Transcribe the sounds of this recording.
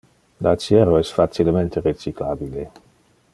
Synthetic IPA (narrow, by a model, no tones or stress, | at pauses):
lat͡ʃjɛɾoɛsfat͡ʃilement̪eɾet͡ʃiklabile